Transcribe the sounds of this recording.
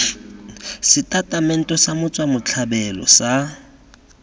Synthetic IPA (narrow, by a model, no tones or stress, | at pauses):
sɪtʼatʼamɛn̩tʼɔsamʊt͡sʼwamʊt͡ɬʰabɛlɔ̰sa